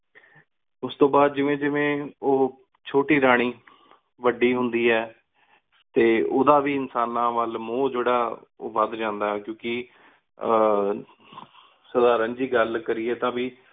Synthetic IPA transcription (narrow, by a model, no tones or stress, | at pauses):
ʊst̪õːbaːd̪̚d͡ʒɪʋẽːd͡ʒɪʋẽːoː | t͡ʃʰoːʈiːɾaːɽ̃iː | ʋəɖiːɦʊnd̪iːɛː | t̪eːoːd̪aːʋiːɪnsaːnãːʋəlmõːd͡ʒeːɽaːo̰ːʋəd̪d͡ʒãːnd̪aːɛːkjõːkɪ | səd̪aːɾənd͡ʒiːɡəlkəɾiːɛːt̪ãːʋiː